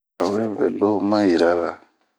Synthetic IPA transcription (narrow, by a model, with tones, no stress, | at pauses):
a˨wu˦ɾe˦bɛ̰˨lo˦mã˦ji˨ɾa˦la˨